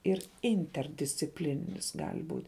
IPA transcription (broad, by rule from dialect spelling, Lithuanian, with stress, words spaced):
ɪr ˈɪnʲtʲɛrʲdʲɪsʲt͡sʲɪpʲlʲɪnʲɪnʲɪs ˈɡɐlʲ ˈbuːtʲ